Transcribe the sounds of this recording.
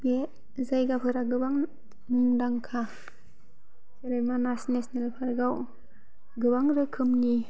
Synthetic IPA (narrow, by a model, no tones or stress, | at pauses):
be | zajɡapʰɯɾaɡɯbaŋ | muŋdaŋkʰa | seɾɯjmanasnesnelpʰaɾɡaw | ɡɯbaŋɾɯkʰɯmni